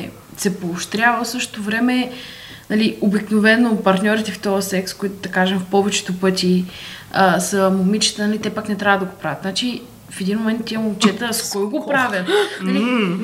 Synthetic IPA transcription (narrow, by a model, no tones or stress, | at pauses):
sɛpoːʃt̪ɾʲjavəfsɤʃt̪o̥t̪ovɾɛmɛ | nɐliobiknovɛnopɐɾt̪nʲɔɾit̪ɛft̪ɔɐsɛkskoit̪ʊd̪ɐkaʒɛmfpɔvɛt͡ʃɛ̥t̪opɤt̪ʲiəsəmomit͡ʃi̥t̪ənɐlit̪ɛpaknɛt̪ɾʲavəd̪ɐɡopɾavʲət̪nat͡ʃi | fɛd̪inmomɛnt̪ːiɛmoːt͡ʃɛt̪əskɔjɡopɾavʲjənɐli